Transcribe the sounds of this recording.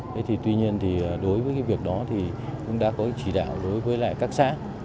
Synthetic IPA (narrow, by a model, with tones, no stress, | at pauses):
t̪ʰə˨˦jt̪ʰi˨˩t̪wi˧ɲi˧ənt̪ʰi˨˩˨ɗo˨˦jvəː˨˦jkaː˨˦jvi˨˩ək̚ɗɔ˨˦t̪ʰi˨˩kʊ̰˧˥ŋ͡mɗa̰ː˧˥kɔ˨˦kt͡ɕi˧˩ɗa̰ː˧˨wɗo˨˦jvəː˨˦jla̰ː˧˨jkaː˦˥k̚sa̰ː˧˥